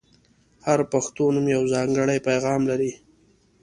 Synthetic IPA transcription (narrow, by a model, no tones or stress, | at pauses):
haɾpaxt̪onumjawzɑŋɡəɽajpajɣɑmlaɾi